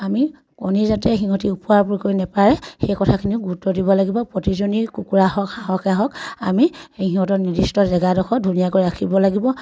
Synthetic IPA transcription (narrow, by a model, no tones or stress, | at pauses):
ami | konizatɛxiɦɔtiupuaɹpuɹikojnɛpaɹɛxejkɔtʰakʰiniʊɡutɔdibɔlaɡibɔpɹotizonikukuɹaɦɔkxaɦɔkaɦɔkamiejɦĩɦɔtɔtnidistɔzɛɡadɔxʰɔdʱunijakojakʰibɔlaɡibɔ